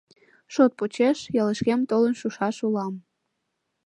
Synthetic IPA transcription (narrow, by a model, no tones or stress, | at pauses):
ʃot̪̚pot͡ɕeʃjɑləʃkemt̪olənʃuʃɑʃulɑm